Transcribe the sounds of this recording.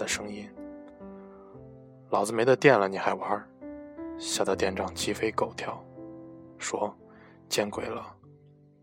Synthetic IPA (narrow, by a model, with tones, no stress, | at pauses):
ə˨ʂɤ˥ŋi˥n | lɑ˨˩ʊd͡zɹ̩˧me˧˥ɪd̪ə˧t̪jɛ˥˩nlə˩ni˨˩xa˧˥ɪwa˧˥ | ɕja˥˩d̪ə˧t̪jɛ˥˧nʈ͡ʂɑ˥˩ŋt͡ɕi˥fe˥ɪko˨˩ʊt̪ʰjɑ˥˩ʊ | ʂwɔ˥ | t͡ɕjɛ˥nkwe˨˩ɪlə˦